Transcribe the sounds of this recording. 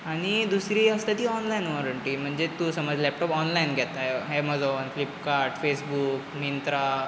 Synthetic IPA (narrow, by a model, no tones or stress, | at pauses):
ɐnid̪usɾiɐst̪ɐt̪iaːnlɐjnoɾɐɳʈimɐɲd͡ʒet̪ːusɐmaːd͡ʒlep̚ʈopaːnlɐjnkɛt̪ːajɦeːmɐloːɐnflipkaːɾʈfʰeːsbuːkmint̪ɾa